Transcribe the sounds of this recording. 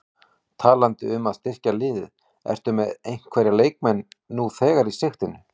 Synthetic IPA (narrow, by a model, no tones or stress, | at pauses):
t̪ʰaːlant̪ɪ̰ʏmaðst̪ɪr̥calɪːðɪð | ɛ̰r̥t̪ʏmɛðejɲŋ̥kʰvɛːɾjaleːjk̚mɛnːuθɛːɣaɾisext̪ɪnʏ